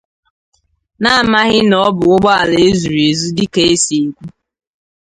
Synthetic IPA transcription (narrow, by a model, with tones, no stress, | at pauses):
na˦a˨ma˦ɣɪ˦nɔ˦bʊ˨ʊ˦ɡ͡bɔ˦a˨le˦zu˨ɾe˨zu˦dɪ˦ke˨˦e˦si˨e˨kʷu˦